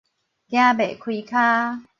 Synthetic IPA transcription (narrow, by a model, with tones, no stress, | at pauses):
kjã˦be˨˩˨kʰwi˧kʰaː˦